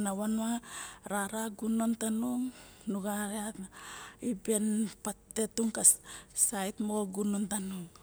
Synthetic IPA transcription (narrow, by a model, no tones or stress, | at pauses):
nawanuaɾaɾaɡunontanuŋ | nuɡaɾeatnaibe̞npate̞tuŋkasajtmo̞ɡunontanuŋ